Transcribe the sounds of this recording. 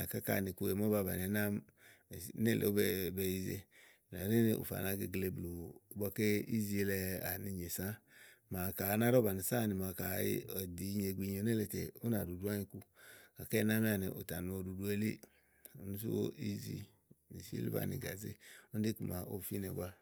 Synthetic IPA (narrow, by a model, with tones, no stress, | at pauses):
a˨ka˦ka̰˨ni˨ku˧˦e˨m˦ɔ˦ba˧˨ba̰˨ɛ˨˦na˦m˨˦ | nɛ˦˨lʔḛ˨o˦bɛ˧i˦ze˧˨ | a˨ɾe˦ne˨ʔṵ˨fa̰˨na˧˦ɡe˧˨ɡle˧blo˨˦ba˧ke˦i˦zi˨˦e˧lɛ˧a̰˨ni˧ɲe˨sa˦ma˨ka˨˦na˦ɾɔ˦ba˨ni˨sa˦˨ni˨ma˨ka̰˨˦ɔ˨di˨˦ɲe˨ɡi˧ɲo˨˦nɛ˦le˨tḛ˨u˦na˨du˨du˦a˦ɲi˧ku˦ka˨kɛ˦na˦m˦a˨ni˨ʔṵ˨ta˨nu˨o˧du˨du˦e˦lḭ˦ | u˨˦nu˦s̬i˦wo̰˦i˦zḭ˨ | ni˨sḛ˦lḭ˦ba̰˨nḭ˨ɡa̰˨zḛ˦u˦de˦ku˨ma̰˨o˦˨fi˦nɛ˨ɡʷa˦